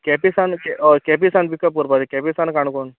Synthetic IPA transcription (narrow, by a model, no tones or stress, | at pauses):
kɛpisankɛkɛpisanpikːəpuɾpad̪ikɛpisankaɳkon